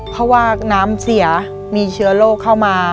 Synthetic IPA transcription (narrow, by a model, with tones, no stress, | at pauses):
pʰɔ˦˥waː˥˩naː˦˥msi˩˦ | miː˧t͡ɕʰɯ˦˥ɐloː˥˩kʰːa˥˩wmaː˧